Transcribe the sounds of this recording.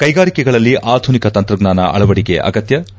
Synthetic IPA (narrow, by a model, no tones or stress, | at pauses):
kɐjɡaːɾikɛɡɐɭɐlːiʔaːd̪ʱunikɐt̪ɐnt̪ɾɐɡnaːnɐ̰ʔɐ̰ɭɐʋɐɽikeʔɐ̰ɡɐt̪jɐ